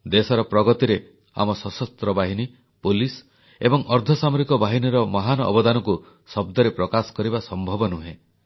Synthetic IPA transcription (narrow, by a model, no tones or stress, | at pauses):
d̪esɔɾɔpɾɔɡɔt̪iɾe | a̰mɔsɔsɔst̪ɾɔbaɦini | polis | ebɔŋɔɾd̪ʱɔsamɔɾikɔbaɦiniɾɔmɔɦanɔɔ̰bɔd̪anɔku | sɔb̚d̪ɔɾepɾɔkasɔ̥kɔɾibasɔmbʱɔbɔnuɦẽ